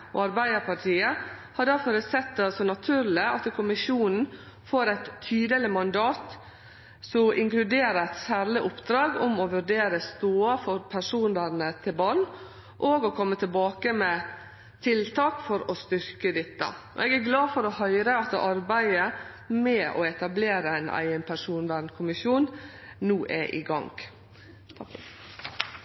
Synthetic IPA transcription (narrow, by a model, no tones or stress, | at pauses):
ɔ̰ɑɾbæɪd̪əɾpʰɑʈʰiːəhɑɖæɾfɔɾəsɛt̪̚d̪ɛɑlsɔnɑt̪ʰʉːɾlɪɑt̪ːkʰʊmɪʃuːnn̩ | foːɾæɪt̪ʰːyːd̪əlɪmɑnd̪ɑːt̪ | sɔʔɪŋklʉd̪eːɾəæt̪sæːɾlɪʔʊpd̪ɾɑːɡʊmɔʋʉɾɖeːɾəst̪oːɑfɔɾpʰæʂuːnəɾnət̪ʰɪlbɑlː | ʔoːɡɔkʰɔmːət̪ʰɪlbɑːkəmɛ | t̪ʰɪlt̪ʰɑːkfɔɾɔst̪ʏɾkəd̪ɪt̪ːə̰ʔɔ̰ɛɡæɾɡlɑːfɔɾɔhœʏɾəɑt̪ʔɑɾbæɪə | mɛɔ̰ɛt̪ɑbleːɾəæɪnæ̰ɪənpʰæʂuːnʋæɾnkʰʊmɪʃjuːn | nuːʔɛʔḭːɡɑ̰ŋɡ̪